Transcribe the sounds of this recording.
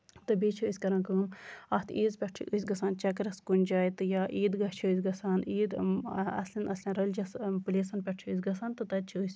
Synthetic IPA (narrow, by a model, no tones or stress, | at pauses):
t̪ɨbiːt͡ʃʰuisʲkɐɾãnkəmɐst̪ʰiːzpʲɐʈt͡ʃʰḭʔsʲɡɐsaːnt͡ʃɐkɾɐskunʲd͡ʒaːjit̪ɨjaːʔiːd̪ɡɐht͡ʃʰuisʲɡɐsaːniːd̪ɐ̰slʲɐnɐslʲɐnɾɐlʲd͡ʒɐspulʲeːsɐnpʲɛʈ̚ʰt͡ʃʰuis̬ɡɐsaːnt̪ɨt̪ɐd̪̚t͡ʃʰusʲ